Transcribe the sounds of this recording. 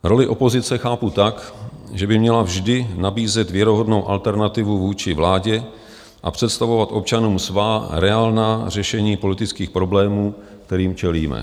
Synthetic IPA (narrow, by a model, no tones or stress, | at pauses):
ɾo̞lɪʔo̞po̞zɪt͡sɛxaːput̪akʒɛbɪmɲɛlavʒdɪnabiːzɛt̪vjɛɾoɦo̞dno̞wʔa̰lt̪ɛɾnat̪ɪvuvuːt͡ʃɪvlaːɟɛ | ʔa̰pr̥ɛt̪st̪avo̞vat̪ʔo̞p̚t͡ʃanuːmsvaːɾɛaːlnaːrɛʃɛɲiːpo̞lɪt̪ɪt͡skiːxpɾo̞blɛːmuː | kt̪ɛɾiːmt͡ʃɛliːmɛ̰